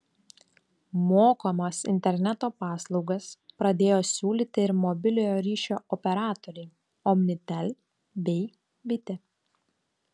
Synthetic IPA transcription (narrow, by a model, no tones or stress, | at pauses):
moːkoːmɐsɪ̰nʲt̪ʲɛɾʲnʲɛt̪oːpɑːslˠɒʊɡɐspɾɐd̪ʲeːjoːsʲuːlʲiːt̪ʲɪɪɾmɔbʲɪlʲojoːɾʲiːʃʲoːʔɔpʲɛɾɑːt̪ɔɾʲɛɪ | ɔmʲnʲɪt̪ʲɛlʲ | bʲɛɪ | bʲɪt̪ʲɪ